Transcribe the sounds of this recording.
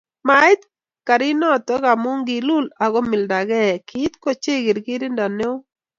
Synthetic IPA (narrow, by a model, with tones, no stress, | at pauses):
ma˨ɪ˦t̪̚ | ka˨ɾɪ˦nɔ˦˨t̪ɔ˦ɡa˨mʊ˦ŋɡi˨lu˦la˨ɡɔ˦mɪ˨lda˨ɡɛ˦˨kɪ˦t̪ko˦t͡ʃe˦ɡe˨ɾɡi˦ɾi˦nda˨ne˦ʊ˦